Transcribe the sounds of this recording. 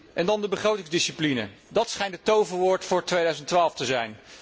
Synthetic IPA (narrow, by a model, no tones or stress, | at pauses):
ʔɛndɑndəbəχrowtɪŋzdɪsiplinə̰dɑtsχɛjntətowvəɹʋʊːɹtfʊːɹtʋejdœɥzəntʋaːlˠftəzɛjn